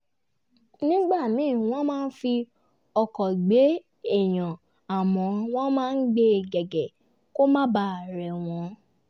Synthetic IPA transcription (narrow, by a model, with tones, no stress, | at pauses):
nĩ˦ɡ͡ba˦˨mĩ˨˦˨w̃ɔ̃˦mãː˦n̩˦fi˧ | ɔ˧kɔ˨ɡ͡be˨˦ | e˦˨j̃ã˨ | a˨mɔ̃˨˧w̃ɔ̃˦mãː˦n̩˦ɡ͡be˧˨ɡɛ˨ɡɛ˨ | ko˦mã˦ba˧˨ɾɛ˨w̃ɔ̃˨˦